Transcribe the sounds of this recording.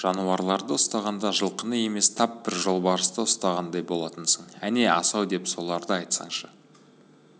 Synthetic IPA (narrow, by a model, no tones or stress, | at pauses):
ʒ̥ɑnuɑɾlˠɑɾd̪əʊst̪ɑʁɑnd̪ɑʒəlˠqənəje̞me̞st̪ʰɑpbɪɾʒo̞lˠbɑɾəst̪əʊst̪ɑʁɑnd̪ɑjbo̞lˠɑt̪ənsəɴæne̞ɑsɑwd̪e̞pso̞lˠɑɾd̪əɑjt̪sɑ̰ɴʃə